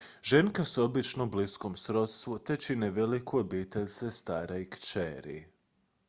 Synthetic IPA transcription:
ʒe̞ŋkasobit͡ʃnobliskomsɾo̞t̪st̪ʋut̪e̞t͡ʃineʋelikʰuobiːt̪eʎʲsest̪aːɾajkt͡ʃeːɾḭ

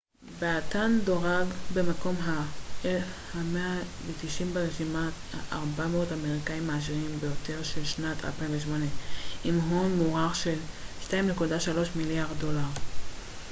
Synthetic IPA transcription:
beat̪ando̞ʁaɡbe̞mako̞mɦaelfhameavet̪iʃimbaʁeʃimaaʔaʁbameo̞tameʁikaimːaaʃ̬iʁimbejo̞t̪e̞ʁʃe̞lʃnatʰa̰lpaiɱveʃmo̞neʔimɦonmuʁaχʃe̞lʃtaimnekudaʃalo̞ʃmiljaʁddo̞laʁ

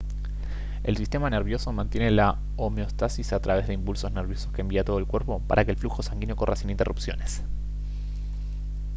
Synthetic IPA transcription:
ḛlsist̪e̞maneɾβjo̞somãnt̪jene̞la | omeo̞st̪asisat̪ɾaβe̞zðeimpulso̞zneɾβ̞jo̞so̞skembiat̪oðoelkwe̞ɾpo̞pa̰ɾʔakelfluxo̞saŋɡinjo̞ko̞rʔasinint̪e̞rʔupsjo̞̰ne̞s

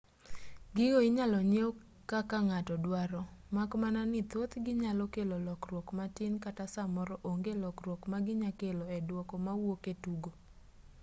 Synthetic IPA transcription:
ɡɪɡoɪɲalɔɲeo | kakaŋatɔdwaɾɔmakmananɪt̪ot̪ɡɪɲalɔkelolɔkrwɔkmatɪnkatasamɔɾɔʔoŋɡelɔkrwɔkmaɡɪɲakelɔɛdwɔkɔmawoketuɡo

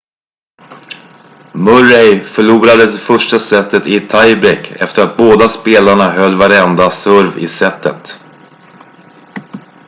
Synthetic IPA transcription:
mɵɾejfœɭuːɾad̪əd̪ɛfœʂʈasɛt̪ːət̪ɪt̪ʰajbɾɛkʰːɛ̰ft̪əɾat̪̚boːd̪aspeːlaɳaɦœlːvaɾɛnd̪asɵɾvɪ̰sɛt̪ːə̰t̪

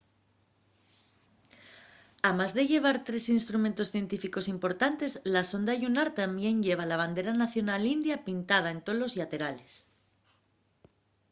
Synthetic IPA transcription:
amazðe̞ʝe̞β̞aɾt̪ɾe̞sinst̪ɾumẽnt̪o̞sθje̞nt̪ifiko̞simpo̞ɾt̪ant̪e̞zlaso̞nd̪aʝunaɾt̪ambje̞ɲʎe̞β̞alaβ̞and̪e̞ɾanaθjo̞nalind̪japint̪að̞aent̪o̞lo̞zjat̪e̞ɾale̞s

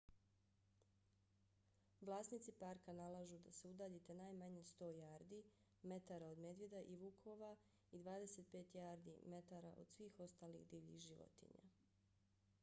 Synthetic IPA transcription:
ʋlˠaːsnit̪sipaɾkanalˠaʒud̪ase̞ud̪aːʎet̪e̞naːjmaɲest̪o̞ːjaːɾd̪i | me̞t̪aːɾao̞d̪me̞d̪ʋed̪aʔiʋukʰoʋa | id̪ʋaːd̪e̞set̪̚pe̞ːt̪jaːɾd̪ḭme̞t̪aɾaʔo̞̰d̪̥sʋiːxo̞st̪aːlḭɣd̪iːʎḭxʒiʋo̰t̪ḭɲa̰

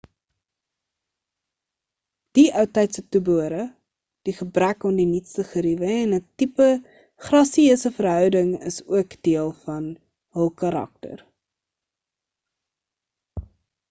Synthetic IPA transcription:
d̥iʔœwtɛjtsətubuəɾə | d̥iχəbrækɔmdinitstəχəɾivəɛnətipə | χrɐsiəsəfərɦœwdəŋə̰suəkd̥iəlˠfɐn | ɦəlˠkɐɾɐ̰k̚tə̰r

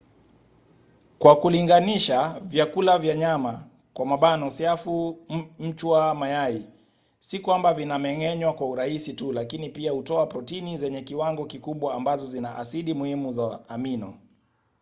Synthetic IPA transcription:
kwakuliŋɡaniʃavjakulavjaɲama | kwamaɓanɔsiafum̩t͡ʃwamajai | sikwambavinamɛŋɛɲwakwauɾahisitulakinipiahutɔapɾɔtinizɛɲɛkiwaŋɡɔkikuɓwaːmbazɔzinaʔasiɗimuhimuzaːminɔ̰

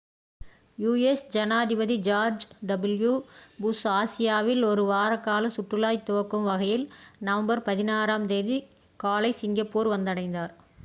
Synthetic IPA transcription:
juːesd͡ʒɐnaːðɪbɐðid͡ʒaːɾd͡ʒɖɐbɪljubʊsaːsɪjaːʋɪlɔɾɯʋaːɾɐkːaːlɐsʊʈːɯlaːjt̪ːɔʋɐkːɯmʋɐɣɐjɪlnɐʋɐmbɐɾpɐðɪnaːɾaːmd̪eːði | kaːlɐɪsɪŋɡɐpːoːɾʋɐnd̪ɐɽɐɪnd̪aːɾ

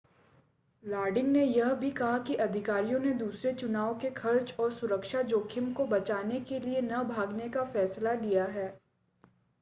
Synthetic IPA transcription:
laːɾɖɪ̃ŋɡnejɐɦbʱikɐɦakiʔɐd̪ʱɪkaːɾijõned̪uːsɾet͡ʃʊnaːʋokekʰɐɾt͡ʃɔːɾsʊɾəkʃad͡ʒoːkʰɪmkobɐt͡ʃaːnekelienɐbʱaːɡnekafɛːslalijaɦɛː

